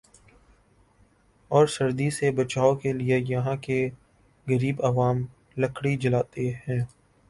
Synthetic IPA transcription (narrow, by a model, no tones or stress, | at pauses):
ɔːɾsɐɾd̪isebɐt͡ʃaːokeliejɐɦãke | ɣɐɾiːbɐʋaːm | lɐkʰɽid͡ʒɐlaːt̪eɦɛ̃ː